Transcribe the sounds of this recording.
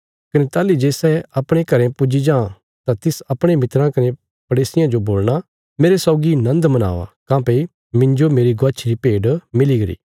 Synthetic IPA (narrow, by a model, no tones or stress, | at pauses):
kɐnet̪aːlid͡ʒeːsɛɐpɽ̃ẽkɐɾɛ̃pʊd͡ʒid͡ʒãː | t̪ãt̪ɪsɐpɽ̃emɪt̪ɾãkɐne | pɐɽeːsɪjãd͡ʒoboːlɽ̃a | meːɾesɔːɡinɐ̃nd̪mɐna̰ːʋa̰kãːpei | mɪ̃ɲd͡ʒomeːɾiɡʊɐt͡ʃʰɾipeːɖmɪliɡɐɾḭː